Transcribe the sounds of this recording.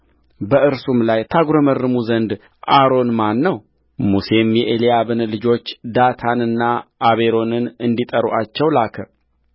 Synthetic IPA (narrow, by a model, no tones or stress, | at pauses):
bəʔɨɾsumlajt̪ʰaɡɾəmərːɨmuzənd̪ | ʔaɾo̞nmanːəw | muse̞mjɛʔelijabɨnəlɨd͡ʒo̞t͡ʃːd̪at̪ʰanɨnːaːβeɾo̞nɨnɨnd̪it̪ʼəɾuʔat͡ʃːɛwlakʰə